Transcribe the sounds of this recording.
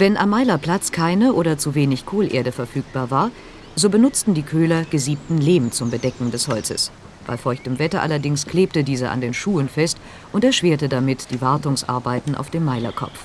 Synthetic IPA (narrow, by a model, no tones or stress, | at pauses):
vɛnʔa̰mːaɪlɐpl̥at͡skʰaɪnəʔoːɾɐt͡suveːnɪçkʰoːlʔeːɐɾəfɛɐfyːk̚b̥aːɐvaːɐ | zoːbənʊt͡stn̩diːkʰøːlɐɡ̥əziːp̚tn̩leːmt͡sʊmbədɛkŋ̩dɛshɔlt͡sə̰s | b̥a̰ɪfɔɐɪçtəmvɛtɐʔalɐdɪŋskʰl̥eːp̚tədiːzəʔa̰ndeːnʃuːənfɛst | ʔʊntɛɐʃv̥eːɐtədamɪtd̥iːvaɐtʊŋsʔa̰ɐbaɪtn̩ʔa̰ʊfd̥eːmːaɪlɐ̰kʰɔ̰p͡f